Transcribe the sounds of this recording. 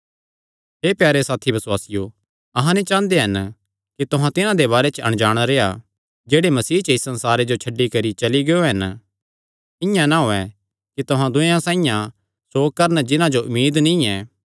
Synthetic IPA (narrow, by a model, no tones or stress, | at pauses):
ɦeːpjaːɾesaːt̪ʰibɐswaːsɪjo | ɐɦãnit͡ʃãːnd̪eɦɐn | kit̪oɦãt̪ɪnãd̪eβaːɾet͡ʃɐ̰ɽ̃d͡ʒaːɽ̃aɾeːa | d͡ʒeːɽemɐsiːt͡ʃəisɐ̃nsaːɾed͡ʒot͡ʃʰɐɖːikɐɾit͡ʃɐliɡeoɦɐn | ɪ̃jãnaɦoːɛ | kit̪oɦãd̪ʊẽãsãːĩjã | soːk̚kɐɾnd͡ʒɪnãd͡ʒoʔʊmːiːd̪nĩɛː